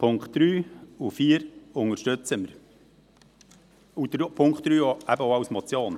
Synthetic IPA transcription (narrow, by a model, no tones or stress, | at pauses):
pʰʊŋkχt̚d̥ɾyːufiːəɾʊŋəɾʃtøt͡səməɾ | ud̥̪ɾpʰʊŋkt̪ɾyːoæbəoɑwsmɔt͡sjoːn